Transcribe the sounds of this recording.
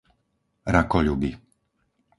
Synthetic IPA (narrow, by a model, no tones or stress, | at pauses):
ɾakɔʎuɡi